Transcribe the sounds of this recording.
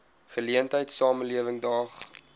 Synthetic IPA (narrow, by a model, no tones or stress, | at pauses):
χəliəntəjtsɑːməliəvəŋdɑːχ